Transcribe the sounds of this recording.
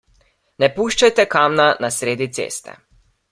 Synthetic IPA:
nɛpuːʃt͡ʃajt̪ɛkamnanasɾeːd̪it̪sḛːst̪ɛ̰

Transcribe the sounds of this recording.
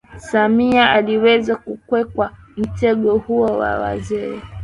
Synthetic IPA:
samiaaliwɛzakukwɛkwam̩tɛɠɔhuɔwa̰wa̰zɛ

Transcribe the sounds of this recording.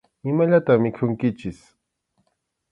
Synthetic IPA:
ɪmaʎat̪amɪkʰʊŋkɪt͡ʃɪs

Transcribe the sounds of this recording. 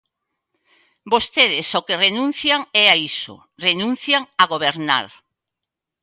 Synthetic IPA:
bost̪eðɪsokerenũn̟θjaŋɛaiso̰ | renũn̟θjaŋaɣoβeɾna̰ɾ

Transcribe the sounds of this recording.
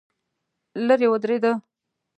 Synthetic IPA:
ləɾewəd̪ɾed̪ə

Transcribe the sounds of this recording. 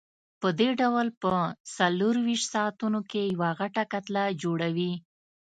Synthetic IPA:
pəd̪eɖawlpəsaloɾwiʃt̪sɑat̪unokejawaɣaʈakat̪lad͡ʒoɽawi

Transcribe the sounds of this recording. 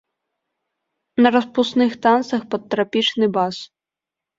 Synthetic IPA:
nɐɾɐspust̪nɨxt̪ant̪sɐxpɐt̪ːɾapʲit͡ʂnɨbas

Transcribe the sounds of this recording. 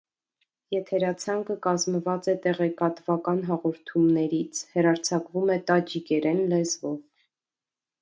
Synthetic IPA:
jɛt̪ʰɛɾɑt͡sʰɑŋkəkɑzməvɑt͡sɛt̪ɛʁɛkɑt̪vɑkɑnɦɑʁɔɾt̪ʰumnɛɾit͡sʰhəɾɑɾt͡sʰɑkvumɛt̪ɑd͡ʒikɛɾɛnlɛzvɔv

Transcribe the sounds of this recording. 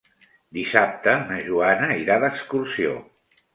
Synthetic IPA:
d̪isap̚t̪ənəʒuanəiɾaðəkskursio̰

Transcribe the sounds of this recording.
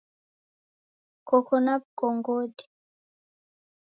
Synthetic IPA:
kɔkɔnap̚koŋɡodi̥

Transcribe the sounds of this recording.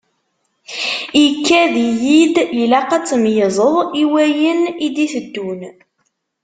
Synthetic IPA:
ikːæðijid̪jəlæqæt͡sːmjəzˤəðˤiwæjənid̪iθəd̪ːun

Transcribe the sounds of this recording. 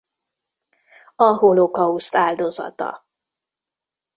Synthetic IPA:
ɒɦolokɒust̪aːld̪o̞zɒ̰t̪ɒ̰

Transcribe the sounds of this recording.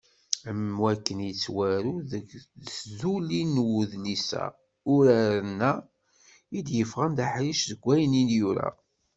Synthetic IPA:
əmːwækːənjət͡sːwæɾuðzulinwuðlisæ̰ | ʊɾæɾənːæ | id̪jəfʁənd̪aħɾiʃðəɡʷːæjəninjuɾæ̰

